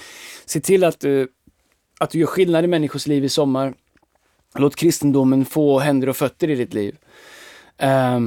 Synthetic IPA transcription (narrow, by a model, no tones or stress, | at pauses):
seːt̪ʰɪlːat̪̚d̪ɵ | at̪̚d̪ɵjœːɾɧɪlnad̪ɪmɛnːɪɧʊʂliːvɪsɔmːaɾ | loːt̪kʰɾɪst̪ənd̪ʊmːənfoːɦɛnd̪əɾɔfœt̪ːəɾɪd̪ɪt̪lḭːv